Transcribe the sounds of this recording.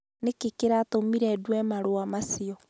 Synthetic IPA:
nekekeɾatomiɾɛdwɛmaɾoamasiɔ

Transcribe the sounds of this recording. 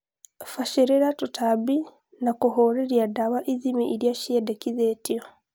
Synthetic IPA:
faʃeɾeɾatutʰabi | nakuɦoːɾeɾjadawaʔiðimiʔiɾjaʃiedekiðetio

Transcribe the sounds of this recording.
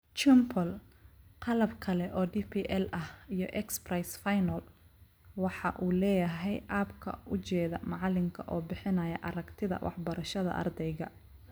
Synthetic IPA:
t͡ʃɪmpʰɔlqɑlɐbkʰɐlɛʔɔːɖiːpʰiːʔɛlʔɐhijɔ̰ʔɛksprɐjsfajnɐl | wɑħɑʔuːlɛːjɐɦɛjʔaːbkʰɐ̰ʔʊt͡ʃɛːðɐmɑʕɑlɪŋkʰɐʔɔːbɪħɪnɐjɐʔɐɾɐɡt̪ʰɪðɐ̰wʔɑ̰ħbɐɾɐʃɐðɐ̰ʔɐ̰rd̪ɛjɣɐ

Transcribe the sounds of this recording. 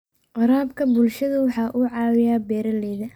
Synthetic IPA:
ʔɑɾaːbkʰɐbʊlʃɐðɐwɑħɑːʔʊʕɑːwɪjaːbɛːɾɐlɛːðɐ

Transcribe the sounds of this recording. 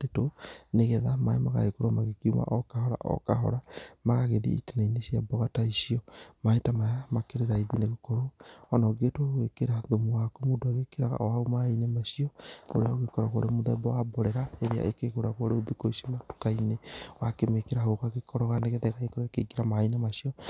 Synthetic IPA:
etoneɣɛðamaemaɣa̰ekoɾomaɣekiuma̰ʔɔkahɔɾa̰ʔɔ̰kaɦɔ̰ɾamaɣaɣeðḭḭtinainesjabɔɣataiʃiɔmaetamajamakeɾeɾaiðineɣokɔɾoɔnɔɡetooɣwekeɾaðomuwakomudoaɣekeɾaɣa̰ɔaomainemaʃiɔo̰ɾeaoɣekɔɾaɣoɾemoðɛbɔwabɔɾɛɾaeɾea̰ʔekekoɾaɣoɾeoðikoisimatu̥kainewakemekeɾahokakekɔɾɔɣaneɣeðaekaekoɾoakeɡiɾamaainemaʃiɔ

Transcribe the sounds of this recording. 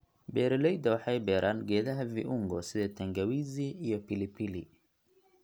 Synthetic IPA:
bɛːɾɛlɛjd̪ɐwɑħɑjbɛːɾʔaːnɡɛːðɐɦɐvḭʔʊŋɡɔsɪðɛːt̪ʰɐŋɡɐwiːziːjɔpɪlɪpʰili

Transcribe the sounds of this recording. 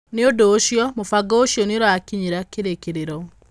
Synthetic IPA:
neodoːʃjɔmofaɡɔoɕjɔneɾakiɲiɾakeɾekeɾeɾɔ

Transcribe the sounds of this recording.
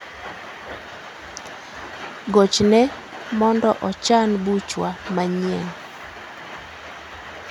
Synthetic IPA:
ɡot͡ʃnɛ | mɔndɔʔɔt͡ʃanbut͡ʃwamaɲiɛn

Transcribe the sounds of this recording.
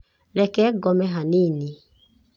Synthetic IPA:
ɾɛkɛɡɔmɛɦanini

